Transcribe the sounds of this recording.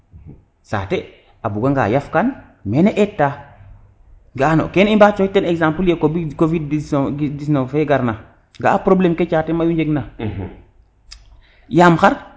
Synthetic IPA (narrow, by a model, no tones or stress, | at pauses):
sa̰te | abuɡaŋɡa̰ːjafkan | meneʔetːa | ɡano̰kenimbat͡ʃɔitːɛnɛɡsampuljekobikovidisɡdisnofeɡaɾna | ŋɡa̰apɾoblemket͡ʃaːtemajuɲd͡ʒeɡna | jamxaɾ